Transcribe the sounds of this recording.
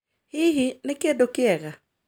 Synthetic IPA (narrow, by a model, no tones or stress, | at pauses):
hɪɦinɪkedokɪɛɣa